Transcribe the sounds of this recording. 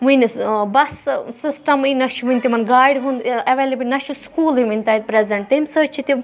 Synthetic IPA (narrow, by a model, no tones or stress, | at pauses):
ʋũnbɐssisʈɐminɐʃʋũnʲt̪imɐnɡaːjɖɦũːnd̪eʋelebinɐʃiskuːliʋĩnʲt̪ɐjt̪̚pɾezɐɳʈ̚t̪imsəːt͡ʃʰit̪i